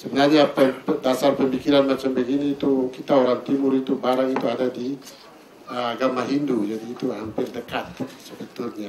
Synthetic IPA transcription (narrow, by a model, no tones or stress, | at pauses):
səbənaɲapədasarpəmikiɾanmat͡ʃambəɡiniːt̪ukit̪aoɾaŋt̪imʊɾit̪ubaɾaŋit̪uadadi | əaɡamahɦindud͡ʒadiːt̪uɦampɪrdəkat̪̚səbət̪ʊlɲa